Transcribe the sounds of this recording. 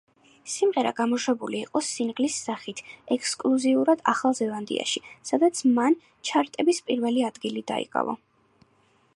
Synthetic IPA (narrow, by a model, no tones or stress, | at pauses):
simʁɛɾa̰ɡamɔʃwɛbuliːqʼɔsinɡlisːaχit̪ʰɛkʰskʼluziuɾad̪aχalˠzɛvand̪ḭa̰ʃisad̪at̪sʰman | t͡ʃʰaɾt̪ʼɛbispʼiɾvɛliad̪ɡilid̪a̰ḭkʼa̰vɔ̰